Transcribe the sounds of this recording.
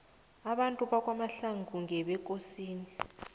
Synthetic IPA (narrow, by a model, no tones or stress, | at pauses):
aɓantʼuɓak̬ʼwamaɬaŋʱuŋʱɛɓɛk̬ʼosiːni